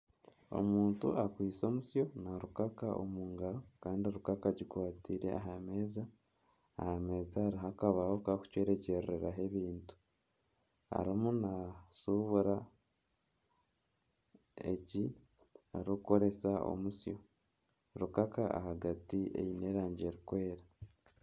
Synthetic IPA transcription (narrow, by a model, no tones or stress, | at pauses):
o̞̰muːntṵakwiːso̞ːmusjo̞naɾukakaʔo̰muːŋɡaɾokaːndioɾukakaɟikwaːtiɾe̞̰a̰ɦame̞ːzaː | hame̞ːzaːɾiɦakaβaho̞kaku̥cweːɾe̞ce̞ɾeɾaɦe̞βiːntu̥ | a̰ɾimunasuβuɾa | ḛci | aɾukuko̞ɾe̞sao̞̰musjo̞ | ɾukakaa̰haɡatiḛine̞ːɾaːɲɟe̞ɾikwe̞ːɾa